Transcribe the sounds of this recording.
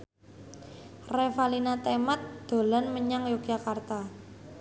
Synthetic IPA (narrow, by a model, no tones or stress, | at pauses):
refalinat̪emat̪̚d̪̥o̤lanməɲaŋjoɡd͡ʒakart̪a